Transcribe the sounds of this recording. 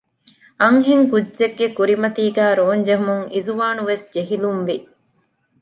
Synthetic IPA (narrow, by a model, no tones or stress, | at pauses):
ɐŋɦiŋkudd͡ʒeɡːekuɾimɐt̪iːɡæːɾoːnd͡ʒeɦumuŋizuʋaːnuʋesd͡ʒeɦilumʋi